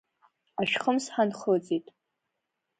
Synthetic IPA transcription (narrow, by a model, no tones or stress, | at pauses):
aʃᶣχəmsħanχld͡zʼitʼ